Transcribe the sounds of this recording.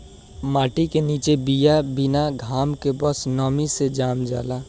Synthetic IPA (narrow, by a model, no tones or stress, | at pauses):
maːʈikeniːt͡ʃebijabɪnaɡʱaːmkebəsnɔːmised͡ʒaːmd͡ʒa̰ːlaː